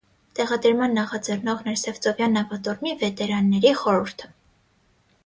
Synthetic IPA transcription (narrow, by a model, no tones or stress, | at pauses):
t̪ɛʁɑd̪əɾmɑnːɑχɑd͡zɛrnɔʁnɛɾsɛvt͡sɔvjɑnːɑvɑt̪ɔɾmivɛt̪ɛɾɑnːɛɾiχɔɾuɾt̪ʰə̥